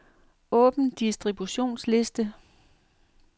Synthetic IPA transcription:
ʔɔ̽ːb̥n̩d̥isd̥ʁib̥uɕo̝̰ːnsle̝sd̥ə

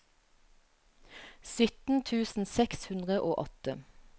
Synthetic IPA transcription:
sʏt̪n̩t̪ʰʉːsn̩sɛkshʉnd̪ʁəʔoːʔɔt̪ə

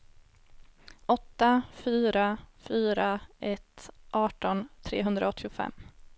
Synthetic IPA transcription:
ʔɔt̪ːafyːɾafyːɾaʔɛt̪ʔɑːʈɔnt̪ʰɾḛːɦɵnd̪ɾaɔt̪ʰːɪʊfɛ̰mː

